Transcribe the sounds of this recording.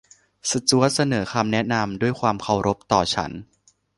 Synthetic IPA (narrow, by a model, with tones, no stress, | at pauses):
sa˨˧˩t͡ɕu˦˥ɐ˥t̪̚sa˧nɤː˩˦kʰaː˧mnɛ˦˥na˧mdu˥˩əjkʰwaː˧mkʰa˨˩wɾʔo˦˥p̚t̪ɔː˨˩t͡ɕʰa̰˦˥n